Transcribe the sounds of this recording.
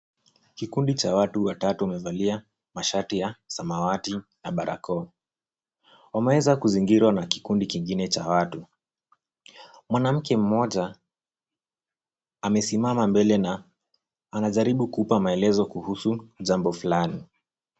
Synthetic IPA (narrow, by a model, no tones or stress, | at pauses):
kikundit͡ʃawatuwatatuwamɛvalia | maʃatijasamawatinaɓaɾʔa̰kɔ | wamɛwɛzakuziŋɡiɾwanaki̥kundikiŋɡinɛt͡ʃawatu | mwanam̩kɛm̩mɔʄa | amɛsimamambɛlɛnaː | naʄaɾiɓukupamaɛlɛzɔkuhusuʄambɔfulani